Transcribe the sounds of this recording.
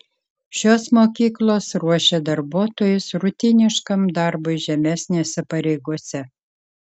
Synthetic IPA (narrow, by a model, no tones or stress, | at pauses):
ʃʲoːsmoːkʲiːklˠoːsɾuɔʃʲɛd̪ɐɾbuɔt̪oːjʊsɾʊt̪ʲɪnʲɪʃkɐmd̪ɑɾbʊɪʒʲɛmʲæːsʲnʲeːsʲɛpɐɾʲɛɪɡuɔsʲɛ